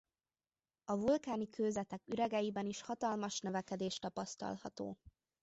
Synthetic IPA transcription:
ɒvulkaːnikʰøːzɛt̪ɛkyɾɛɡɛjibɛniʃhɒt̪ɒlmɒʃnøvɛkɛd̪eːʃt̪ɒpɒst̪ɒ̰lhɒ̰t̪o̰ː

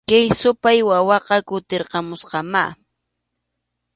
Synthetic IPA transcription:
kajsʊpajwawɑqɑkʊt̪eɾqɑmʊsqɑma

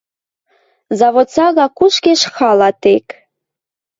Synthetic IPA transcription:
zɑβot̪t͡sɑɣɑkuʃkeʃxɑlˠɑt̪ek

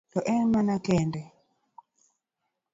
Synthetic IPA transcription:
lɔʔɛnmanakɛndɛ

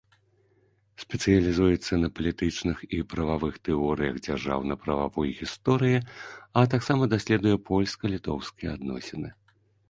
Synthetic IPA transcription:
sʲpʲɛt̪sɨjɐlʲizujɛt̪sːɐnɐpɐlʲit̪ɨt͡ʂnɨxipɾɐvavɨxt̪ɛɔɾɨjɐɣd͡zʲarʐa̰wnɐpɾɐva̰vɔjɣʲist̪ɔɾɨjiɐt̪̬aksamɐd̪asʲlʲɛd̪ujɛpʰɔlʲskɐlʲit̪ɔwskʲijɛad̪nɔ̰sʲɛnɨ

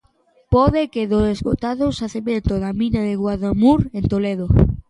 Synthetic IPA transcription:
poðekeðosezɡot̪aðosaθeβent̪oðaminaðɪɣwaðamuɾent̪oleðo

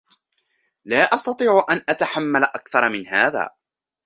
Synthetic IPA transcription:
laːʔɑst̪ɑt̪ˤiːʕʊʔanʔat̪aħamːalaʔakθɑɾˤmɪnɦaːða̰ː

